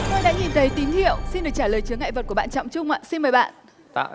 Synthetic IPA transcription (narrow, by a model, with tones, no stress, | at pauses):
t̪o˧jɗa̰ː˧˥ɲi˨˩nt̪ʰə˨˦jt̪i˨˦ŋ̟hḭ˧˨əwsi˧nɗɨ˨˩ək̚t͡ɕaː˧˩ləː˨˩jt͡ɕɨ˨˦əŋːa̰˧˨jvə˨˩t̚ku˧˩əɓaː˧˨t͡ɕɔ̰˧˨wŋ͡mt͡ɕʊ˧ŋ͡mʔa̰ː˧˨si˧nməː˨˩jɓa̰ː˧˨n˧